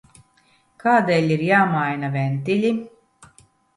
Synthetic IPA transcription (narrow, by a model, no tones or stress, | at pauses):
kaːd̪eːlʲiɾjaːmajnavʲɛnt̪ilʲi